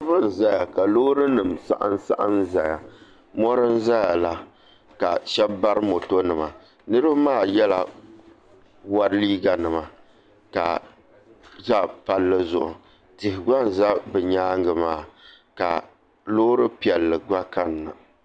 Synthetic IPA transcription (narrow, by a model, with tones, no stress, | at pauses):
bɨ˦n˨za˦ja˨ka˨loː˦ɾɨ˦nɨ˨msa̰˦ʔɨ̰˦n˦sa̰˦ʔa˦nza˨ja˨ | mɔ˦ɾɨ˦n˦za˦ja˨la˦ | ka̰˨ʃɛ˦bba˦ɾɨ˦mo˨to˦nɨ˨ma˨ | nɨ˦ɾɨ˦bmaː˦˨jɛ˦la̰˨ | wa˦ɾliː˦ɡa˨nɨ˨ma˨ | ka̰˨ | za˦pa˨lːɨ˦zʊ̰˨ʔʊ̰˨ | tɪ˨hɪ˨ɡa˦nza˦bɨ˨ɲaː˦ŋ˦ɡɨ˨maː˦˨ | ka̰˨ | loː˦ɾɨ˦pi˨ɛ˨lːɨ˨ɡa˦ka˦nːa̰˨